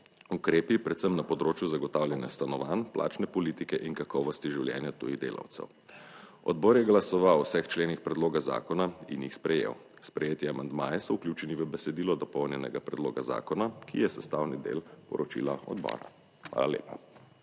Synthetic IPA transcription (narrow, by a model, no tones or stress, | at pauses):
ukɾeːpipɾɛt̪səmnapɔd̪ɾoːt͡ʃjuzaɡɔt̪aːwljɛnjast̪anɔʋaːnplʔa̰ːt͡ʃnɛpɔlit̪ikɛʔinkakɔʋɔst̪iʒiwljɛ̰ːnjat̪ṵjid̪ḛːla̰wt̪sɛ̰w | ɔ̰d̪̚bɔɾjɛɡlasɔʋawɔsɛxt͡ʃleːnixpɾɛd̪loːɡaza̰ːkɔnaḭnjixspɾɛjḛw | spɾɛjeːt̪jɛamand̪maːjɛsɔuklʲjuːt͡ʃɛniʋəbɛsɛd̪iːlɔd̪ɔpɔwnjɛnɛ̰ɡapɾɛd̪loːɡaza̰ːkɔnakijɛsɛst̪aːwnid̪ḛːlpɔ̰ɾɔt͡ʃḭla̰ɔ̰d̪bɔ̰ːɾa̰ | xʋa̰ːlalḛːpa